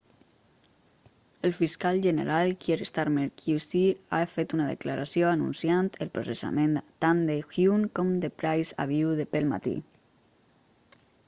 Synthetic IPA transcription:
əlˠfiskalˠʒənəɾalˠkjeɾəst̪aɾmeɾkjusiafet̪unaðə̰klaɾasjoanṵnsjant̪əlˠpɾosesa̰ment̪and̪əxjuŋkɔmd̪əpɾajza̰β̞iwðəpəlˠma̰t̪ḭ

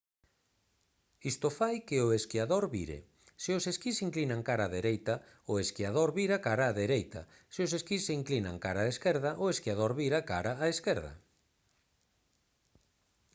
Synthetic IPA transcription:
ist̪ofajkɪʊeskiaðoɾβiɾḛ | sɪʊseskisiŋklinaŋkaɾaðeɾejt̪ɐ | ʊeskjað̞oɾβiɾakaɾaːðeɾejt̪ɐ̰ | sɪoseskisseiŋklina̰ŋkaɾaːeskɛɾðaʔʊeskiað̞oɾβiɾakaɾaːeskɛɾð̞ɐ̰

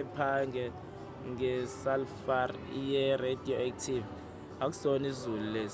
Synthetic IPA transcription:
ɛpʰaŋɡʱɛ | ŋʱɛsalfar | ijɛredʱioak̚tʰiv | ak̬u̥sonizululeːz

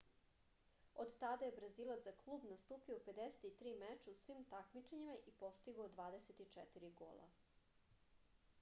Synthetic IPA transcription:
od̪t̪ad̪ajebɾaziːlˠat̪aklˠuːbnast̪uːpiope̞d̪ese̥t̪it̪ɾiːmet͡ʃausʋimt̪akmit͡ʃeɲimaʔipo̞st̪iɡod̪ʋaːd̪eset̪it͡ʂɛt̪iɾiɡo̰ːlˠa̰

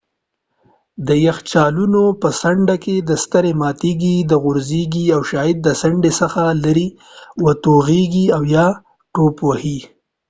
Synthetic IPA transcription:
d̪əjaxt͡ʃɑlunopəsaɳɖaked̪əst̪əɾemɑt̪eɡid̪əɣʊɾziɡiawʃɑɪd̪̚d̪əsaɳɖesəxalaɾi | wat̪oɣeɡiawjɑ | ʈopohi

